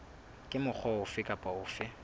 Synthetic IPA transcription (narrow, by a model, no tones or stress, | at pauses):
kʼɪmʊk͡xʰɔʊfɪkʼapʼaʊːfɪ